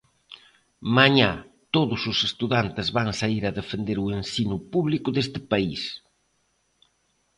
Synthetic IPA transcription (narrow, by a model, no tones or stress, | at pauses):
maɲa | t̪oðʊsʊsest̪uðant̪ɪzβaŋsaiɾɐðefend̪eɾuensinʊpuβlikʊðest̪ɪpais